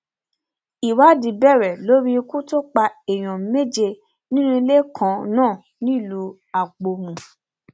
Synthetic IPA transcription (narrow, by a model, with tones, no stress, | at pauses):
i˨wa˨˦dĩ˨˦bɛ˦˨ɾɛ˨lo˨˦ɾi˦˧ku˦to˦k͡pa˧e˨j̃ɔ̃˨me˦d͡ʒe˧ | nĩ˦nũ˦i˧le˦kʰã˧˦nãː˦˨ | nĩ˦i˦˨lu˧ | a˨k͡po˧mũ˨